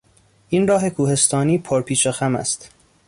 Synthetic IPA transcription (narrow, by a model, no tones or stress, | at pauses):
ʔinrɒːɦe̞kʰuːhe̞st̪ʰɒːniːpʰoɾpʰiːt͡ʃexæmæ̰st̪